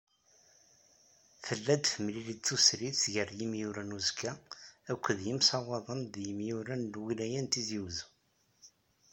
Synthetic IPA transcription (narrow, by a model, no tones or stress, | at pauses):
θəlːæd̪fəmlilit͡sːusɾiʝərjimjuɾænuzkʰæækʷːðjəmsɑwɑðˤənðjəmjuɾænlwilæjænt̪iziwz